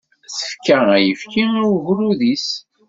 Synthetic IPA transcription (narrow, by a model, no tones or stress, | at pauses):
θə̥fkææjəfkiæwvɾuðis